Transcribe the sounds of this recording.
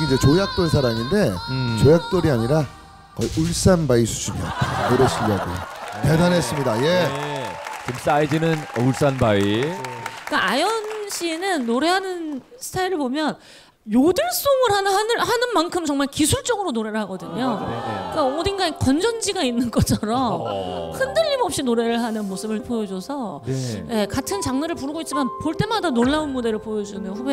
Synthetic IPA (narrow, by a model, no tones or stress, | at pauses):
ind͡ʑe̞t͡ɕojak̚t͈oɭsʰaɾaŋinde̞t͡ɕojak̚t͈oɾiaɲiɾa | kʌiʔɯɭs͈anbaisʰu̥d͡ʑʰumʌ̰tʰakɯɾeɕiʎːaɡo̰te̞danes͈ɯmɲidaje̞ | t͡ɕims͈aid͡ʑinɯnouɭs͈anbai | k͈aʔajʌnɕ͈ʰienɯnːoɾe̞ɦanɯn | sʰɯ̥tʰaiɾɯɭbomjʌn | jodɯɭs͈oŋɯɭhanhanɯhanɯnmankʰɯmt͡ɕʌŋmaɭkisʰuɭt͡ɕ͈ʌɡɯɾonoɾe̞ɾɯɭhaɡʌdɯɲok͈aʌmodiŋɡakʌnd͡ʑʌnd͡ʑiɡainːɯnɡʌt͡ɕʰʌɾʌmmhɯndɯʎːimʌp̚ɕ͈inoɾe̞ɾɯɭɦanɯnmosʰɯbɯɭpojʌd͡ʑʌsʰʌje̞katʰɯnt͡ɕaŋnɯɾɯɭpuɾɯɡoit̚t͡ɕ͈imanpoɭt͈e̞madanonːaunmode̞ɾɯɭpojʌd͡ʑunɯnɸube